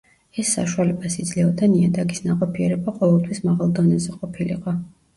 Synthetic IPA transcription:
ɛsːa̰ʃualɛbasid̪zlɛɔd̪ʰaniad̪aɡisnaqʼɔpʰiɛɾɛbaqʼɔvɛlˠt̪ʰwismaʁalˠd̪ɔnɛzɛqʼɔpʰilḭqʼɔ

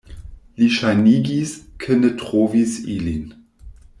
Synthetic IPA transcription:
liʃaniːɡiskʰənətʁ̥oːvisḭlin

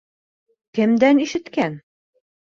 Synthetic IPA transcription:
kɘ̆md̪æniʃɘ̆t̪kæn

